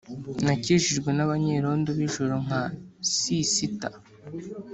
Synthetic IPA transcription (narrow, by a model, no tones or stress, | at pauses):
naciʒiʒɡwenaβaɲeɾo̞ːndoβiʒoɾoŋ̥asisita